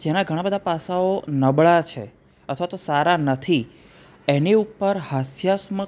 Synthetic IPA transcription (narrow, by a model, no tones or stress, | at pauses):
d͡ʒenaɡʱəɽ̃abəd̪ʱapasaonəbɭat͡ʃʰḛ | ət̪ʰʋat̪osaɾanət̪ʰi | eniupːəɾhasjasmə